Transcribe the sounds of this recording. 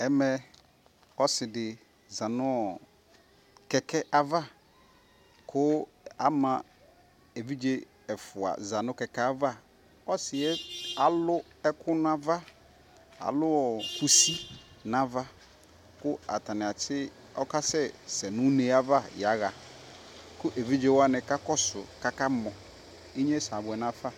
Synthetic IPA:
ɛ˦mɛ˦ | ɔ˦sɪ˨dɪ˨ | zã˨nʊ̃˦ɔ˨ | kɛ˨kʰɛ˦ʔa˦va˦ | kʰʊ˦ | a̰˦mã˨ | e˨vi˦d͡ʒe˦ | ɛ˨fʊ˨a̰˨za˨nʊ̃˦kɛ˨kɛ˦a˦va˦ | ɔ˦sɪ˨ɛ˦a˨lʊ˦ɛ˦kʰʊ˦n˦a˦va˦ | a̰˨lʊ˦ɔ˨kʰu˨si˦nã˨va˦ | kʊ˦a̰˨ta˨nɪ˨a˨t͡ʃʰɪ˦ | ɔ˦ka˦sɛ˦sɛ˨nʊ̃˦ne˨a˦va˦ja˨˦ɣa˨ | kʊ˦ʔe˨vi˦d͡ʒe˦wa˦nɪ̃˨ka˦kɔ˦sʊ˨ka˦ka˦mɔ̃˨ | i˦ɲɛ˦sa˨bʊ˨ɛ˨nã˦fa˦

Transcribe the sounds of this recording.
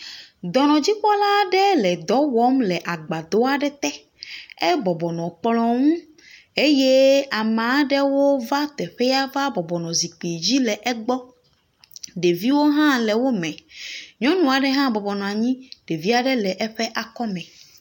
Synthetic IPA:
d̪ɔ˨nɔ̃˨d͡ʑi˦k͡pɔ˦la˦ɖɛ˦lɛ˨d̪ɔ˨˦wɔ˦mlɛ˨ʔa˨ɡ͡ba˨d̪ɔ˦a˨ɖɛ˦t̪ɛ˦ | ɛ˦bɔ˨bɔ˨nɔ̃˨k͡plɔ̃˨ŋũ˦ | e˦je˦a˨mã˨˦ɖɛ˦wo˦va˦t̪ɛ˨ɸɛ˦ja˦va˦bɔ˨bɔ˨nɔ̃˨zi˨k͡pi˨d͡ʑi˦lɛ˨ʔɛ˦ɡ͡bɔ˦ | ɖe˨vi˦wo˦ɦã˦lɛ˨wo˦mɛ̃˨ɲɔ̃˦nũ˨a˨ɖɛ˦ɦã˦bɔ˨bɔ˨nɔ̃˨a˨ɲĩ˦ɖe˨vi˦a˨ɖɛ˦lɛ˨ʔɛ˦ɸɛ˦ʔa˨kɔ˦mɛ̃˨

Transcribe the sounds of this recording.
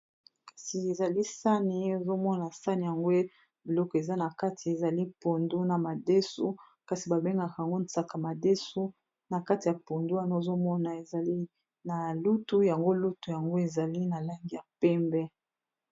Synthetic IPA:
kḁ˨si˨e˨za˨li˦sa˦ni˨o˨zo˦mɔ˦na˨sa˦ni˨ja˨ŋɡo˦e˦ | bi˨lɔ˦kɔ˨e˨za˦na˨ka˦tʰi˨e˨za˨li˦po˨ndu˦na˨ma˨de˦su˦ | ka˨si˨ba˨be˦ŋɡa˨ka˨ja˨ŋɡo˦nsa˨ka˨ma˨de˦so˦ | na˨ka˦ti˨ja˨po˨ndu˦a˦no˦˨zo˦mɔ˦na˨e˨za˨li˦ | na˨lu˦tu˦ja˨ŋɡo˦lu˦tu˨ja˨ŋɡo˦e˨za˨li˦na˨la˦ŋɡi˨ja˨pɛ˦mbɛ˦

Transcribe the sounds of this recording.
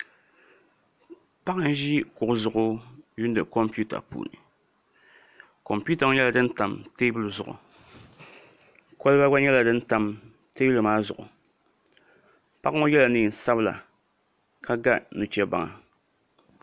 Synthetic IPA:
pa˦ʔɨ˦n˦ʒi˦kʊ˨ʔʊ˦zʊ˨ʔʊ˦ju˦n˦dɨ˨ko˦mpu˦ta̰˨pṵː˨nɨ̰˨ | ko˨mpu˦ta˨ŋ˦ɲɛ˦la˨dɨ˦n˦ta˨mteː˦bu˦lɨ˨zʊ˨ʔʊ̰˨ | ko˦lɨ˦ba˦ɡ͡ba˦ɲɛ˦la˨dɨ˦n̩˦ta˨m | teː˦bu˦lɨ˨maː˦zʊ̰˨ʔʊ̰˨ | pa˦ʔŋo˦jɛ˦la˨nɨ˨sa˦bla̰˨ | kʰa˦ɡa˦nu˨t͡ʃɛ˦ba̰˨ŋa̰˨

